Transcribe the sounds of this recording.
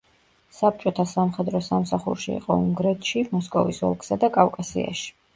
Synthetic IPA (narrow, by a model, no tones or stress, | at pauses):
sap̚t͡ʃʼɔt̪ʰasamχɛd̪ɾɔsamsaχṵɾʃiḭqʼɔ̰uŋɡɾɛt̪ʃimɔskʼɔvisɔ̰lˠkʰʼsad̪akʼafkʼasḭa̰ʃi̥